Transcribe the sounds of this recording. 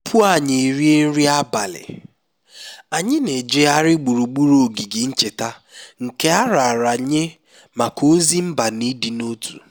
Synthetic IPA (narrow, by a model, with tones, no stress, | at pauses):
pʰu˦a˦˨ɲe˨ɾi˦e˦n̩˦ɾi˦a˦ba˨lɪ̰˨ | a˨ɲɪ˦ne˨d͡ʒe˦a˦ɾɪ˦ɡ͡bu˨ɾu˨ɡ͡bu˦ɾo˨ɡi˨ɡɪ˨n̩˦t͡ʃe˨ta˦ŋ̩˨ke˦a˦ɾa˨ɾa˨ɲe˦ | ma˨ko˦zi˦m̩˦ba˨ni˦di˨no˦tṵ˨